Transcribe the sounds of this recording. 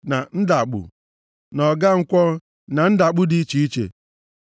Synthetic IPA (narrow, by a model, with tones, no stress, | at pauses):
na˨n̩˦da˨k͡pṵ˨ | nɔ˨ɡa˦ŋ̩˦kʷɔ˦ | na˨n̩˦da˨k͡pʊ˦di˦t͡ʃi˨i˦t͡ʃḛ˨